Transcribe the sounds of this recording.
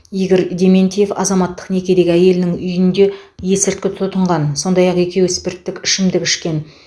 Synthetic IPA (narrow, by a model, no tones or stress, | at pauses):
ijɡʲɪɾd̪ʲe̞mʲe̞nt̪ije̞fɑ̰zɑmɑt̪ːə̥qne̞kʲe̞d̪e̞ɡʲɪæje̞lɪnɪŋʏjɪnd̪e̞je̞sɪɾt̪̚kʲɪt̪ʰʊt̪əɴʁɑnso̞nd̪ɑjɑqe̞kʲʰe̞wɪspe̞ɾt̪ːɪkʲɪʃɪmd̪ɪkʲɪʃkʲe̞n